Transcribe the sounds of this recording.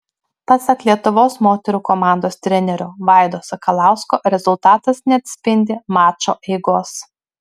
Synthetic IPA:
pɑsɐklʲiɛt̪ʊʋoːsmoːt̪ʲɛɾuːkɔmɑˑnd̪oːst̪ʲɾʲɛnʲɛɾʲʊʋɑˑɪd̪oːsɐkɐlˠɑˑʊskoːʔɾʲɛzʊlˠt̪ɑːt̪ɐsnʲɛɐt̪ʲsʲpʲɪnʲd̪ʲɪmɑːt͡ʃoːʔɛɪɡoːs

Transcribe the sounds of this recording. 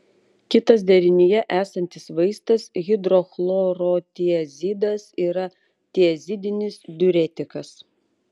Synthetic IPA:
kʲɪt̪ɐs̬d̪ʲɛɾʲɪnʲɪjɛʔæːsɐnʲt̪ʲɪsʋɐɪst̪ɐsɣʲɪd̪ɾoxlˠoːɾoːt̪ʲiɛzʲid̪ɐsiːɾɐ | t̪ʲiɛzʲɪd̪ʲɪnʲɪsd̪ʲʊɾʲɛt̪ʲɪkɐs

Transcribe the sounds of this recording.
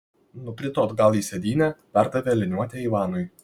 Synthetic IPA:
nʊkɾʲɪt̪oːt̪ɡɐlˠiːsʲɛd̪ʲiːnʲɛpʲæɾd̪ɐʋʲɛːlʲɪnʲuɔt̪ʲɛiʋɑːnʊj

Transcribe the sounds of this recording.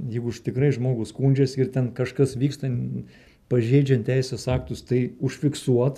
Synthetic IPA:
jɛɪɡʊɪʃt̪ʲɪkɾɐɪʒmoːɡʊskuːnʲd͡ʒʲɛsɪrt̪ʲɛnkɐʃkɐsʋʲiːkst̪ɐnʲ | pɐʒʲeːd͡ʒʲɛnʲtʲt̪ʲɛɪsʲeːsɑːkt̪ʊst̪ɐɪʊʃʲfʲɪksuɔt̪

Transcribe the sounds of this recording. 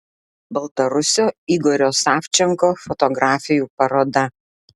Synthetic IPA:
bɐlˠt̪ɐɾʊsʲoːiɡɔɾʲoːsɑːfʲt͡ʃʲɛŋkoːfɔt̪ɔɡɾaːfʲɪjuːpɐɾoːd̪ɐ

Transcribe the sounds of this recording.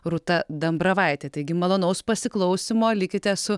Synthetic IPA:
ɾʊt̪ɐd̪ɐmbɾɐʋɐɪt̪ʲeːt̪ɐɪɡʲɪmɐlˠoːnɐʊspɐsʲɪklˠɐʊsʲɪmoːlʲɪkʲɪt̪ʲɛsʊ

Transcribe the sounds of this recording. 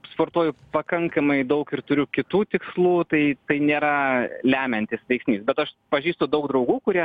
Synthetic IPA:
spoːɾt̪uɔjʊpɐkɐŋkɐmɐɪd̪ɐʊkɪrt̪ʊɾʲʊkʲɪt̪uːt̪ʲɪkslˠuːt̪ɐɪt̪ɐɪnʲeːɾɐlʲæːmʲɛnʲt̪ʲɪsʋʲɛɪksʲnʲiːsbʲɛt̪ɐʃpɐʒʲiːst̪od̪ɐʊɡ̚d̪ɾɐʊɡuːkʊɾʲiɛ

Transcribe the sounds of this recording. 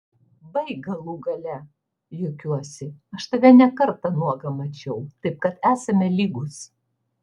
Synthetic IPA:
bɐɪɡɐlˠuːɡɐlʲɛ | jokʲuɔsʲɪɐʃt̪ɐʋʲɛnʲɛkɐɾt̪ɐnuɔɡɐmɐt͡ʃʲɛʊt̪ɐɪp̚kɐt̪æːsɐmʲɛlʲiːɡʊs

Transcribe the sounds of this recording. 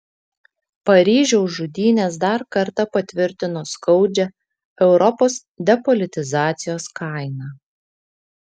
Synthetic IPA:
pɐɾʲiːʒʲɛʊʒʊd̪ʲiːnʲeːs̬d̪ɐɾkɐɾt̪ɐpɐt̪ʲʋʲɪɾʲt̪ʲɪnoːskɐʊd͡ʒʲɛ | ɛʊɾɔpoːs | d̪ʲɛpɔlʲɪt̪ʲɪzɑːt̪sʲɪjoːskɑˑɪnɑː

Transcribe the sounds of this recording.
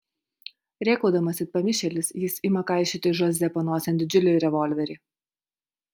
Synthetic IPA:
ɾʲeːkɐʊd̪ɐmɐsʲɪpɐmʲɪʃʲɛlʲɪsjɪsɪmɐkaˑɪʃʲɪt̪ʲɪʒɔzʲɛpɐnoːsʲɛnd̪ʲɪd͡ʒʲʊlʲɛːɾʲɛʋɔlʲʋʲɛɾʲɪː

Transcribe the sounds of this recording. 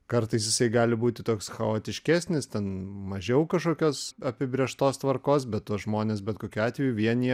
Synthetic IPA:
kɐɾt̪ɐɪsjɪsɐɪɡɑːlʲɪbuːt̪ʲɪt̪oːksxɐoːt̪ʲɪʃʲkʲæːsʲnʲɪst̪ʲɛnmɐʒʲɛʊkɐʃkoːkʲoːsɐpʲɪbʲɾʲiɛʃt̪oːst̪ʋɐrkoːs̬bʲɛt̪t̪oːsʒmoːnʲeːsbʲɛt̪koːkʲuːɑːt̪ʲʋʲɛjuʋʲiɛnʲiɛ

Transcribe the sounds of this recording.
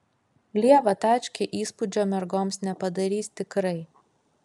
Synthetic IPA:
lʲiɛʋɐt̪ɑːˑt͡ʃʲkʲeʔiːspʊd͡ʒʲoːmʲɛɾɡoːmsnʲɛpɐd̪ɐɾʲiːsʲt̪ʲɪkɾɐɪ

